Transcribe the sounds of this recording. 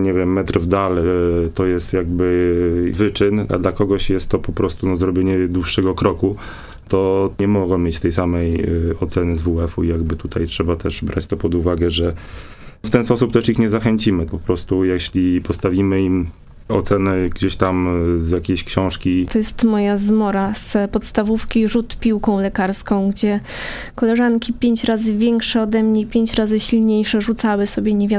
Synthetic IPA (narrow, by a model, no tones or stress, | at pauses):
ɲɛvʲjɛmːɛt̪ɾvd̪alt̪ɔjɛst̪jaɡ̚bɘvɘt͡ʂɘna̰d̪lakɔɡɔɕjɛst̪ːɔpɔpɾɔst̪unɔzɾɔbʲjeɲɛd̪wuʂːɛɡɔkɾɔku | t̪ɔɲɛmɔɡɔ̃mʲjet͡ɕt̪ɛjsamɛjɔt̪sɛnɘzvuɛfṵijaɡbɘt̪ut̪ajtʂɛbat̪ɛʐbɾʔa̰t͡ɕt̪ɔpɔd̪uvaɡɛʐɛ | ft̪ɛnspɔsup̚t̪ɛʂixɲɛzaxɛɲt͡ɕimɘpɔpɾɔst̪ujaɕlʲipɔst̪avʲimɘim | ɔ̰t̪sɛnɛɡd͡ʑeɕt̪amzʲjakʲejɕkɕɔ̃w̃ʂkʲit̪ɔjɛst̪mɔjazmɔɾaspɔt̪st̪avufkʲiʐut̪pʲiwkɔ̃w̃lɛkaɾskɔ̃w̃ɡd͡ʑɛ | kɔlɛʐankʲipʲjeɲt͡ɕɾazɘvʲjɛŋkʂɛɔd̪ɛmɲeipʲjeɲt͡ɕɾazɘɕilɲejʂɛʐut̪sawɘsɔbʲjɛɲɛvʲja